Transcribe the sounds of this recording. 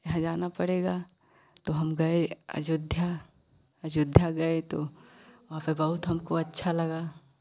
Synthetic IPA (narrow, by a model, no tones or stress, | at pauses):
jɐɦãd͡ʒaːnapɐɽeːɡaː | t̪oɦɐmɡɐeɐ̰d͡ʒʊd̪ʱja | ɐd͡ʒʊd̪ʱjaɡɐet̪oʋɐɦãpebɐɦʊt̪ɦɐmkoɐtːʃʰalɐɡaː